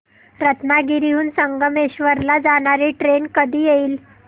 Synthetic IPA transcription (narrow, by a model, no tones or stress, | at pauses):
ɾət̪naɡiɾiɦuːnsəŋɡəmeɕʋəɾlad͡zaɽ̃aɾiʈɾenkəd̪ʱiːjeiːl